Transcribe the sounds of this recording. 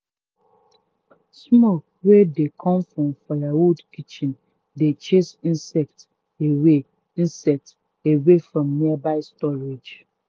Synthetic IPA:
smok̚ | wedekʰɔ̃mfɹɔ̃mfalawudkit͡ʃĩn | det͡ʃesĩnsɛk̚t | ewe | ĩnsɛk̚t | ewefɹɔ̃mniabaɪstɔɹed͡ʒ

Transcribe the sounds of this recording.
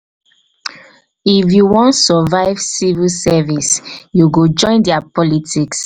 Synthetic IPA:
ifjuwɔ̃ntsəvaɪvsivilsɛvisjuɡod͡ʒɔ̃ɪ̃ndɛapɔlitiks

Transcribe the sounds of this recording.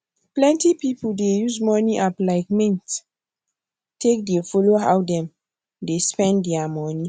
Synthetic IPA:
plɛ̃ntipipuldejuzmɔniʔaplaɪkmɛ̃nt | tek̚defɔloha̰wdɛ̃m | despɛ̃ndɛamɔni

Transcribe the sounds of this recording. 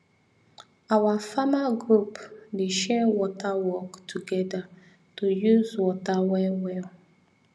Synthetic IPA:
awafamaɡɹupdeʃɛwɔtʰawɔktʰuɡɛda | tojuzwɔtawɛwɛl

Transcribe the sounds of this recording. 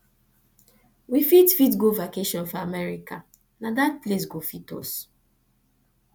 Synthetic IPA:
wifitfit̬ɡovakeʃɔ̃nfɔamɛɾika | nadat̚ples̬ɡofito̰s

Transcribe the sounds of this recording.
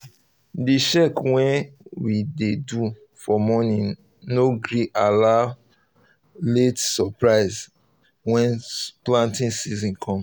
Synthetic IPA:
diʃɛkwɛ̃nwidedu | fɔmɔnĩ | noɡɾiʔala | letsɔpɹaɪz | wɛ̃nplãntĩnsizɔ̃nkʰɔ̃m

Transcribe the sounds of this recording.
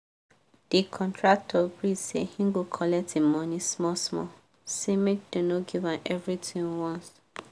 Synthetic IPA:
d̥ikʰɔ̃ntʰɹak̚tʰɔbɹisḛhĩŋɡokʰɔlɛk̚tʰemɔ̃nĩsmɔsmɔ̰ | semed̥onoɡivãnʔɛvɹitʰĩŋwɔ̃ns

